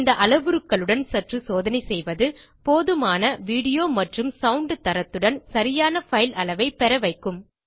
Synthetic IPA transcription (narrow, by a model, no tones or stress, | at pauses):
nd̪ɐʔɐlɐʋɯɾɯkːɐɭɯɽɐnsɐʈrɯsoːðɐnɐɪsɛjʋɐðɯpoːðɯmaːnɐʋiːɽɪjoːmɐʈrɯmsɐwʊɳɖɯt̪ɐɾɐt̪ːɯɽɐnsɐɾɪjaːnɐfɐɪlɐɭɐʋɐɪpɛɾɐʋɐɪkːɯm